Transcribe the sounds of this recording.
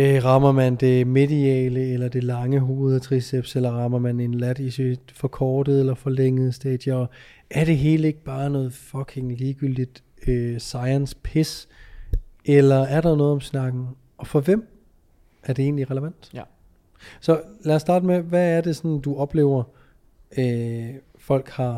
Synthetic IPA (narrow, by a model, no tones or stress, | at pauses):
øʁɑ̈mɐmænd̥e̝me̝diɛːləelɐd̥e̝lɑ̈ŋəɦo̝ːð̞̩ˠt͡sʰʁiseb̥selɐʁɑ̈mɐmæne̝nlæd̥isi̥fɒ̽kʰɒːd̥əð̩ˠelɐfɒ̽leŋ̰əð̞̩ˠsd̥ɛd̥jɐɒ | ʔæɐɾ̥e̝ɦe̝ːləe̝ɡ̥̚b̥ɑ̈ːnɔ̽ːð̩ˠfɒ̽kʰe̝ŋliːɡ̥yl̰d̥id̥ | øsɑ̈ɪənspʰes | elɐæɐɾɑ̈nɔ̽ːð̩ˠɒ̽msnɑ̈ɡ̥n̩ | ɒ̽fɒ̽ʋem̰ | ʔæɐd̥e̝e̝ːnliʁɛləʋæn̰d̥ | sɒ̽læɐsːd̥ɑ̈ːdəmeʋæːɐd̥e̝sɒ̽nd̥uɒ̽b̥le̝̰ʊ̰ɐ | ø | fɒ̽l̰ɡ̥hɑ̈